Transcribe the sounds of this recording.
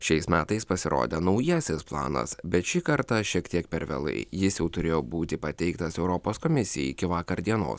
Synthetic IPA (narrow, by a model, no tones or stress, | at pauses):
ʃʲɛɪsmʲæːt̪ɐɪspɐsʲɪɾo̰ːd̪ʲɛnɒʊjɛsʲɪsplˠɑ̰ːnɐ̰sbʲɛt̪ʃʲikɐɾt̪ɑʃʲiɛkt̪ʲiɛkpʲɛɾʋʲɛ̰lˠɐ̰ɪjɪsjɛʊt̪ʊɾʲeːjoːbuːt̪ʲɪpɐt̪ʲɛɪkt̪ɐsɛʊɾɔpoːskɔmʲɪsʲɪjɛ̰ɪɪkʲɪʋɑːkɐɾd̪ʲiɛno̰ːs